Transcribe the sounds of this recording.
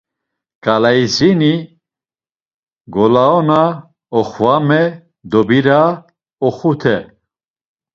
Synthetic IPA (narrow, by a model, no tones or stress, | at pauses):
kʼalaizini | ɡɔlaɔna | ɔχvamɛ | d̪ɔbiɾa | ɔχut̪ʰɛ